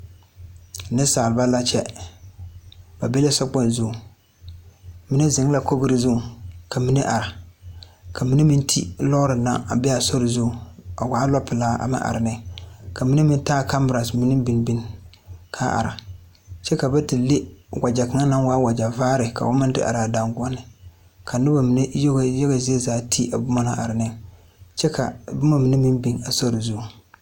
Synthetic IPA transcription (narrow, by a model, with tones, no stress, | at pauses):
nɪ˦saː˨lba˦la˦t͡ʃɛ˦ | b̥a˨be˦la˦sɔ˦k͡pɔ˦n˨zʊ˦˨ | mi˦nɨ˦zɪ˨ŋ˦la˦ko˦ɡɨ˦ɾɪ˦zʊ˦˨ka˨mi˦nɨ˦ʔa˨ɾa˨ | ka˨mi˦nɨ˦mi˦ntʰi˦lɔ˦ɾɨ˨na̰˦a̰˨bɛ˦a˨so˦ɾɪ˨zʊ˦˨a˨waː˨˦lɔ˦pːɨ˨laː˦ʔa̰˨mɪ̰˦ʔa̰˨ɾɪ˨nɪ˦ka˨mi˦ni˦mi˦ntaː˦˨ka˦mbɾa˨smi˨˦nɨ˦bi˨nbi˦n | kʰa˦ʔa̰˨ɾa˨ | t͡ʃɛ˦ka˨bɛ˦ti˨le˦wa˨d͡ʒa˨ka˨ŋa˦na˦ŋwaː˦wa˨d͡ʒa˨vaː˦ɾɪ˨ka̰˨wʊ˦mɨ˦dɪ˦ʔa̰˨ɾa˨da˨ŋɡɔ˦nɪ˨ | ka˨nɨ˦ba˨mi˨nɛ˦jo˦ɡjɛ˦ɣe˨ze˦˨zaː˦tʰi˦ʔa˨bʊ˦ma˦na˨ʔa̰˨ɾɪ˨nɛ˦ | t͡ʃɛ˦ka̰˨bʊ˦ma˦mi˨nɨ˦mi˦nbi˨ŋa˨so˦ɾi˨zʊ˦˨